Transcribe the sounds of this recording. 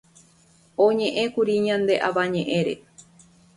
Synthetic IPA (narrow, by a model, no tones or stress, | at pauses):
õɲẽ̞ʔẽ̞kuɾiɲãnd̪e̞ʔaʋaɲẽʔẽɾe̞̰